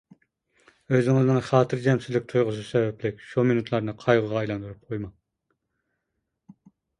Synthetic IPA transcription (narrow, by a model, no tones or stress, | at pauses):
øzɪŋɪznɪŋχɑːt̪ʰɨɾd͡ʒɛmsyzlɪk̚ʲt̪ʰujʁʊsɨsɛvɛplɪkʲʃuminut̪ʰlˠɑɾnɨqʰɑjʁəʁɑːjlˠɑnd̪uɾup̚qʰojmɑŋ